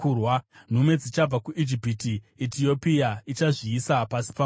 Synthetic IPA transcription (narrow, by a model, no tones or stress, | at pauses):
urwan̤umwe̞d͡zit͡ʃab͡vakuʔid͡ʒipiti | etio̞piait͡ʃaʐiːsapasi̥pa